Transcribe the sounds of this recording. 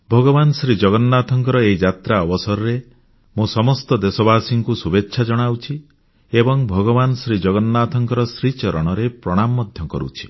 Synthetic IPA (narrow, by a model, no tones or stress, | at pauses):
bʱɔɡɔbanɔsɾid͡ʒɔɡɔnːat̪ʰɔŋkɔɾɔeid͡ʒat̪ɾaɔbɔsɔɾɔɾe | mũsɔmɔst̪ɔd̪esɔbasiŋkusubetːʃʰad͡ʒɔɽ̃awt͡ʃʰi | ebɔŋbʱɔɡɔbanɔsɾid͡ʒɔɡɔnːat̪ʰɔŋkɔɾɔsɾit͡ʃɔɾɔɽ̃ɔɾepɾɔɽ̃amːɔd̪ʱjɔkɔ̰ɾṵt͡ʃʰi̥